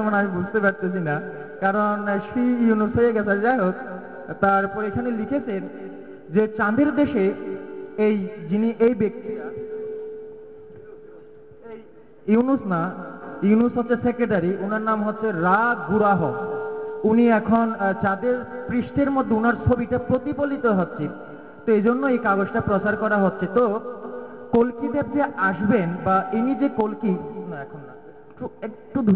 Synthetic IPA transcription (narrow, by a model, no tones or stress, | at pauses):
omonamibud͡ʑʱt̪epaɾt̪et͡ɕʰina | kaɾonʃiunusɦojeɡɛt͡ɕʰad͡ʑajɦot̪ | t̪ːaɾpɔɾekʰanelikʰet͡ɕʰen | d͡ʑet͡ɕãd̪eɾd̪eʃe | ejd͡ʑiniʔejbek̚t̪i | unusnajiunusɦotːɕʰesekɾeʈaɾiʔunaɾnamɦotːɕʰeɾaɡuɾaɦo | uniɛkʰond͡ʑad̪eɾpɾiʃʈeɾmod̪ʱːeunaɾt͡ɕʰobiʈapɾot̪ipolit̪oɦotːɕʰe | t̪oed͡ʑonːoejkaɡod͡ʑʈapɾot͡ɕaɾkɔɾaɦotːɕʰet̪o | kolkid̪ep̚d͡ʑeaʃbenbaʔinid͡ʑekolkinɛkʰon | kʈuek̚ʈud̪ʱ